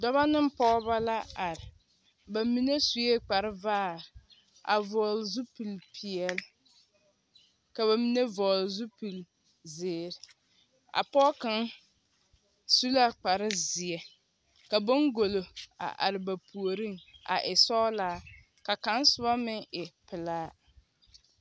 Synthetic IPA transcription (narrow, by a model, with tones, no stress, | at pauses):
dɔ˦βa˦nɪ˦m˦pɔː˦βa˦la˦a˨ɾɪ˨ | ba˨mi˦ne˦su˨je˦k͡pa˨ɾɪ˦vaː˦˨ɾɪ˨ | ʔa̰˨vɔː˨lzu˦pu˨lpʰi˨ɛ˨l | ka˨βa˨mi˦ne˦vɔː˨lzu˦pu˨l | zɪː˨ɾɪ˨ | a̰˨pɔː˦ka˦ŋ | su˦la˦k͡pa˨ɾɪ˦zɪ˨ɛ˨ | ka˨bo˦ŋɡo˨lo˨a̰˨ʔa̰˨ɾɪ˨ba˨pʰu˨o˨ɾi˦ŋa̰˨ʔɪ˨sɔː˦laː˦ | ka˨ka˨˦nsʊ˨ba˦mɪ˦ŋɪ˨pɪ˨laː˦